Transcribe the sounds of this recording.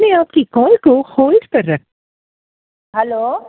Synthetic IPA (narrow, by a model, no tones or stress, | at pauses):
neaːpkikɔːlkoxoːlʈkɐɾːɐk | ɦɛloː